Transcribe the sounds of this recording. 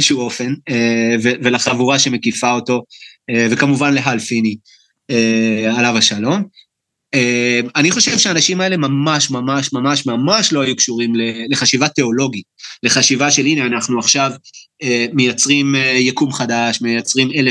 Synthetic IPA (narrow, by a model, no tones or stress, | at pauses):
ʃuuo̞fe̞nevevelaχavuʁaʃe̞me̞kifao̞to̞eve̞kamuvanle̞ɦalfini | ealavaʃalo̞m | eaniχo̞ʃe̞vʃeaːnaʃimae̞le̞mamaʃmamaʃmamaʃmamaʃlo̞ajukʃuʁimleleχaʃivate̞o̞lo̞ɡitle̞χaʃivaʃe̞lineanaχnuaχʃav | eme̞jat͡sʁimejakumχadaʃmejat͡sʁime̞le